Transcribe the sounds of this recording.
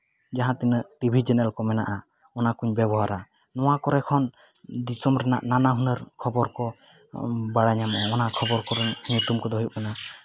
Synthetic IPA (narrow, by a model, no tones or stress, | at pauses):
d͡ʒaɦãt̪ɛnəʈibʱid͡ʒɛnɛlkɔmɛnaʔa | ɔnakuɲbɛbɔɦaɾa | nɔwakɔɾɛkʰɔn | d̪isɔmɾɛna̰ʔnanaɦunəɾkʰɔbɔɾkɔ | baɽaɲamɔɔɔnakʰɔbɔɾkɔɾɛɲut̪umkɔd̪ɔɦujup̚ana